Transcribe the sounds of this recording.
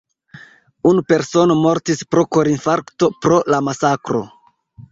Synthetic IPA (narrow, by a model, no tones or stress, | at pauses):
unupe̞ɾso̞no̞mo̞ɾtispɾo̞koɾinfaɾkto̞pɾo̞lamasakɾo̞̰